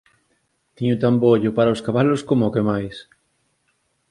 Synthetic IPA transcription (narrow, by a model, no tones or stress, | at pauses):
t̪iɲut̪amboʎopaɾaoskaβaloskomoːkemajs